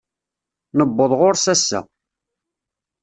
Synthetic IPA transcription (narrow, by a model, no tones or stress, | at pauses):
nəbːəðˤʁoɾsæsːæ̰